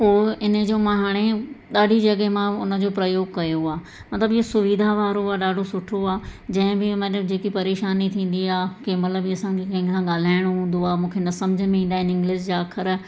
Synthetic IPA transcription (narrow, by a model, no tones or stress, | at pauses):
poːɪnə̆d͡ʑoːmɐɦaɽ̃eɗaːɖʱid͡ʑɐɠemãʊnə̆d͡ʑoːpɾɐjoːɡkɐjoaː | mɐt̪ləbɪɦosʊʋid̪ʱaʋaːɾoaːɗaːɖʱosʊʈʰoaːd͡ʑɐ̃ɦɪ̃bɪmɐt̪ləbd͡ʑeːkipɐɾeːʃaːnit̪ʰĩːn̆d̪iaːkemɐt̪ləbiɐsãŋkʰekɐ̃ɦɪ̃ŋkʰãɠaːl̤aːɪɽ̃oɦũːn̆d̪oaːmũːkʰenɐsɐmd͡ʑʱəmẽĩːn̆d̪aːɦɪnɪ̃ŋɡlɪʃd͡ʑaːkʰəɾ